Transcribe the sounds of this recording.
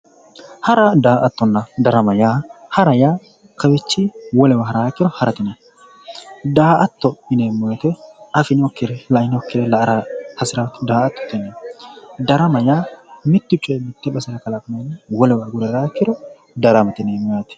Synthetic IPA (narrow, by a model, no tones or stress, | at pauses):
hɐɾɐd̪aːʔɐt̪ːɔnːɐd̪ɐɾɐmɐjaːhɐɾɐjaː | kɐwɛt͡ʃːɪwɔlɛwɐɦɐɾaːkːɪɾɔhɐɾɐt̪ɪnɛ | d̪aːʔɐt̪ːɔɪneːmɔjɐt̪ɛɐfɪnɔkːɪɾɛlɐɪnɔkːɪɾɛlɐɾɐhɐsɪɾat̪ːd̪aːɐt̪ːɔ̥t̪ːɛnɛd̪ɐɾɐmɐjaːmɪt̪ːʊt͡ʃʼːɔjɛmɪt̪ːɛbɐsɪɾɐkɐlafɐnɐnwɔlɛwɐɡʊɾɛɾaːkːɪɾɔ | d̪ɐɾɐmɐt̪ɪneːmɔjat̪ɛ̥